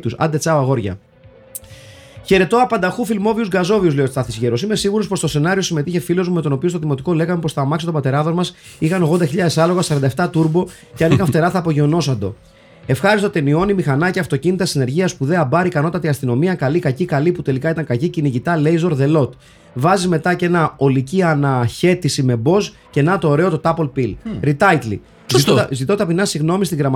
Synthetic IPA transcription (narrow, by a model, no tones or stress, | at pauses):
t̪usɐ̰d̪e̞t͡sɐoɐɣo̞ɾʝɐ̰ | çe̞ɾe̞t̪o̞ɐpɐnd̪ɐxufilmo̞viuzɡɐzo̞viuzleosst̪ɐθizʝeɾo̞sime̞siɣuɾo̞spo̞st̪o̞se̞nɐɾio̞sime̞t̪içe̞filo̞zmume̞t̪o̞no̞piost̪oðimo̞t̪iko̞le̞ɣɐmepo̞sθɐmɐksot̪opɐt̪e̞ɾɐðo̞zmɐs | ixɐnoɣðod̪ɐçiʎɐðe̞sɐlo̞ɣɐsɐɾɐnd̪ɐeft̪ɐt̪uɾbo̞ | ceɐnixɐnɱft̪e̞ɾɐθɐːpo̞ʝeo̞no̞sɐnd̪o̞̰ | e̞fxɐɾist̪ot̪e̞nio̞nimixɐnɐceɐft̪o̞cinit̪ɐsine̞ɾʝiɐspuðe̞ɐbɐɾikɐno̞t̪ɐt̪iɐst̪ino̞miɐkɐlikɐcikɐliput̪e̞likɐit̪ɐŋkɐciciniʝit̪ɐle̞jzo̞ɾðe̞lo̞t̪ | vɐzizme̞t̪ɐce̞nɐo̞liciɐnɐçe̞t̪isime̞bo̞s | ce̞nɐt̪o̞ːɾe̞o̞t̪o̞t̪ɐpo̞lpilɾit̪ɐjt̪lḭ | zzit̪o̞t̪ɐpinɐsiɣno̞mist̪iɣɾɐmɐ